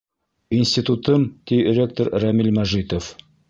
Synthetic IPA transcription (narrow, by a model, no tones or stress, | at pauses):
insʲt̪ʲit̪ut̪ɤmt̪iɾʲek̚t̪oɾɾæmilmæʒit̪of